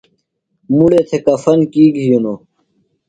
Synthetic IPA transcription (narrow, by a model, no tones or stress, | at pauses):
muɽeːt̪ʰekɐfɐnkiːɡɦijono